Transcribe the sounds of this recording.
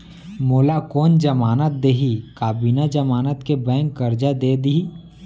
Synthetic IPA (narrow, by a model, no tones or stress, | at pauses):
moːlakɔːnd͡ʒəmaːnət̪̚d̪eːɦikaːbiːnad͡ʒəmaːnət̪kebɛ̃ːŋkːəɾd͡ʒad̪eːd̪ii